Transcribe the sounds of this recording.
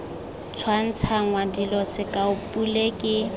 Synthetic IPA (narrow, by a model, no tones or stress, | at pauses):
t͡sʰwan̩t͡sʰaŋwadilɔsɪkʼaʊpʼulekʼɪ